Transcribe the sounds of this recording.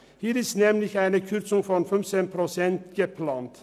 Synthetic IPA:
hiːɾɪsnɛmlɪçæɪnəkʰʉɾt̪sʊŋfɔnfœmsɛnpʰɾʊsɛnt̪ɡ̥əpʰlɑːnt̪

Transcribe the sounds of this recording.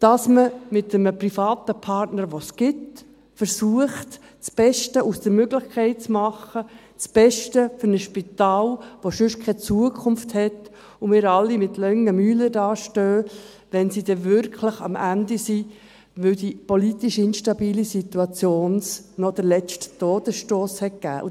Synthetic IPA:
d̥ɑsməmɪtəməprifɑːtəpʰɑrtnəɾʋosɡ̥ɪt | fəɾsuəχt | t͡sb̥ɛʃtəʔusd̥əɾmøɡlɪχkʰɛɪt̚t͡smɑχə | t͡sb̥ɛʃtəfʏɾnəʃpitɑːlʋoʃʏʃkʰɛt͡suəkʰʊnfthɛt | ʊmɪːɾɑlːimɪtlœŋːəmyːlədɑːʃtøː | ʋɛnsid̥ɛvʏɾkʰləχɑ̰mʔændisi | ʋɵʊdipɔlitiʃɪnʃtɑbiːlisit̪uɑt͡sjoːnsnɔd̥əlɛsttoːd̥əsʃtoːshɛt̚ɡ̥æ̰ːʔṵ

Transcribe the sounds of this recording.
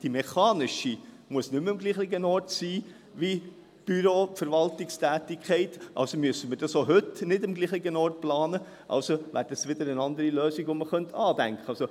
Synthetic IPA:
d̥imɛχɑːnɪʃi | muəsnʏmɪmɡliːχlɪɡənɔrtsiː | ʋi | b̥yɾoːfɛɾʋɑltɪkstæːtɪkχɛɪtʔɑ̰lsomyəsəmɪːɾd̥ɑsoɦɵtnɪdɪmɡliːχɪɡənɔːrt̚plɑːnə | ʔɑ̰lsoʋæ̰ːɾdəsʋɪd̪əɾənɑnd̪əɾiløːsɪɡʋoməχœnt̪ʰɑːd̥æŋkʰəɑlso

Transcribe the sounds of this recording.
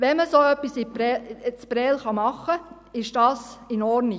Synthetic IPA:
ʋɛməsoːœpːisipɾɛt͡sb̥ɾɛːlχɑmɑχːə | ɪʃd̥ɑːsɪnɔɾni

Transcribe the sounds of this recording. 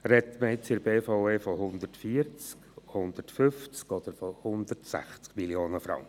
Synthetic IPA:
ɾɛt̪məɪt͡sɪɾbeːfaʊeːfɔɦʊnd̪ətfiəɾt͡skhʊnd̪əɾtfʏft͡skɔd̥̪əɾfɔhʊnd̪ətsæ̰χt͡skmiljoːnəfɾɑ̰ŋkə

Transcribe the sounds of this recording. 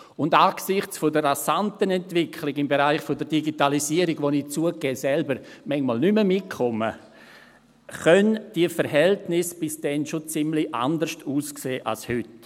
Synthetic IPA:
ʊndaːksɪχt͡sfodəɾːasantənɛntvɪkʰliɡɪmbeɾaɪχfodəɾdiɡitalisiəɾiɡʋonit͡suəkɛːsɛlbəɾmɛŋmɔlnyməmɪt̚kʰɔmə | χœnd̥iəfəɾɦɛltnɪsb̥ɪsd̥ɛnʃot͡sɪmliʔa̰ndəɾʃtuːskseːʔa̰lshʏt

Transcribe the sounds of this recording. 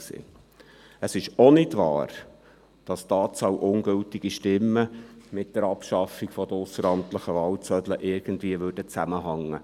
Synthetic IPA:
sḛː | əsɪʃɔnɪdʋɑ̰ːɾ | d̥ɑsd̥ɑːt͡sɑwʔʊnɡɵltiɡ̥iʃtɪmːəmɪt̚d̥əɾɑpʃɑfːiɡfɔd̥̪əʊsəɾɑmt̪ləχəʋɑːlt͡sœd̥̪ləʔɪɾɡ̥əndviəʋøɾdət͡sæməɦɑŋːə

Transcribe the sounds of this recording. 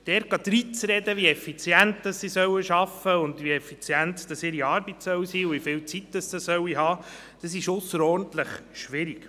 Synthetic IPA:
d̥ɛɾɡɑd̪ɾit͡sɾɛd̪əʋiɛfit͡sjæntd̥̪ɑsːisœwəʃɑfːəʊnd̪ʋiɛfit͡sjænt̪d̥ɑsɪɾiɑːɾbitsœwsiːʊvifɪlt͡sit̪d̥ɑsdɑsœwiɦɑː | d̥ɑsɪʃʊsːəɾɔːɾn̩tləχʃʋɪɾik

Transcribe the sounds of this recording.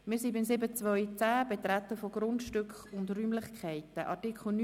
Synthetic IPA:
mɪːsibɪnsɪbət͡svœʏt͡sæːbet̪rat̪əfoɡrʊntʃtʏkχʊndryːmlɪχkʰɛɪtəʔɑ̰tikχl̩n

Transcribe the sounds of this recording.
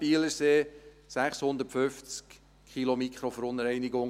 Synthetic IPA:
b̥iələseː | sæχshʊnd̪əɾtfʏft͡skʰ | χilomikʰχɾofɾoːnəɾɛɪnɪɡʊŋ

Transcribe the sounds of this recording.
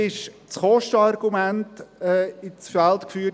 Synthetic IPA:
ɪʃ | t͡sχɔʃtəɑrɡ̥umæntɛɪt͡sfælt̪kfyː

